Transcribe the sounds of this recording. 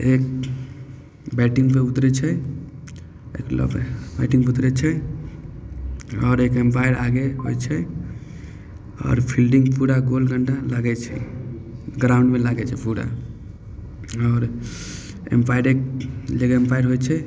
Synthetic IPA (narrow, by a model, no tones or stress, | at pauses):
ek | bɛʈiŋɡpeut̪ɾɛt͡ʃʰɛ | ḛklɔ̰bbaʈĩŋɡut̪ɾɛt͡ʃʰɛ | ɔːɾekempajɾaɡeɦo̰jt͡ʃʰɛ | ɔ̰ːɾpʰilɖiŋɡpuɽaɡolɡʱəɳʈalaɡɛt͡ʃʰɛ̰ | ɡɾauɳɖmelaɡɛt͡ʃʰɛpuɽa̰ | ɔːɾ | ḛmpajɾekleɡempajɾɦojt͡ʃʰɛ